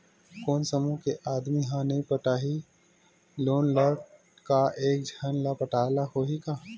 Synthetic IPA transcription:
koːnsəmũkeʔaːd̪miɦãnɐɦĩpəʈaːɦi | loːnləɾʈ | kaʔeːk̚d͡ʒʱənlapəʈaːlahoːɦikaː

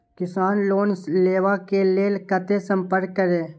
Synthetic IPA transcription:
kɪsaːnloːnleːʋakeleːlkət̪esə̃mpəɾkːəɾeː

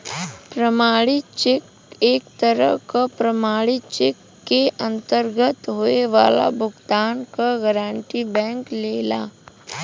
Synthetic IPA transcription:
pɾɐmaːɽit͡ʃek | eːkt̪əɾə̰ɦkapɾɐmaːɽit͡ʃekːeʔɐ̃nt̪əɾɡət̪ɦoːeʋaːla̰bʱʊɡt̪aːnkaɡəɾãːɳʈibɛ̃ːŋkleːlaː

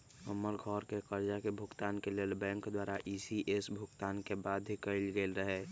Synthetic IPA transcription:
əmːəɾɡʱɔːɾkekəɾd͡ʒakebʱʊkt̪aːnkeleːlbɛ̃ːŋkd̪waːɾaʔiːsiʔesbʱʊkt̪aːnkebaːd̪ʱikəilɡeːlɾəɦɛː

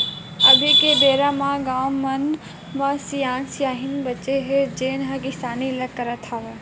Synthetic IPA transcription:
ɐbʱikeb̪eːɾamãːɡaːmːɐn | masijãːnsjaːɦɪnbɐtːt͡ʃeɦed͡ʒeːnɦakɪsaːnilɐkkːɐɾət̪ʰaʋe

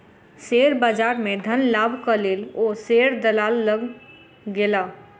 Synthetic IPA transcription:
seːɾbaːd͡ʒaːɾmẽd̪ʱənlaːbʱkəleːloːseɾd̪əlaːlːəɡ | ɡelaː

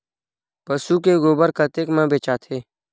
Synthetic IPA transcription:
pəsuːkeɡoːbəɾkət̪eːkmə̃ːbeːt͡ʃaːt̪ʰeː

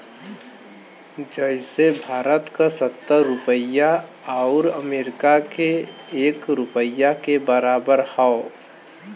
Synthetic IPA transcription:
d͡ʒəɪsebʱaːɾət̪kasət̪ːəɾʊpəja | aʊɾəmeːɾɪkakeːkɾʊpəjakebəɾaːbəɾhao

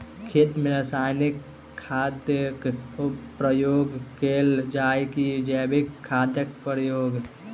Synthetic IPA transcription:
kʰeʈmeɾəsajnikʰː | ad̪jəkopɾəjoɡkeld͡ʒajkid͡ʒɛbikʰːad̪jək̚pɾəjoɡ

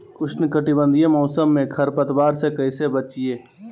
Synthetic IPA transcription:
kʊʃnkəʈibə̃nd̪ʱijemɔːsəmːẽkʰɐɾpət̪baːɾsekɐɪsebət͡ʃieː

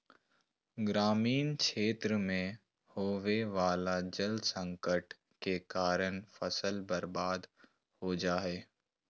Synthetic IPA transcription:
ɡɾaːmiːnkʃeːt̪ɾəmẽ | hoːʋeʋaːlad͡ʒəld̪sə̃ŋkəʈ | kekaːɾəñfɐsəlbɐɾbaːd̪ | hod͡ʒaːɦeː

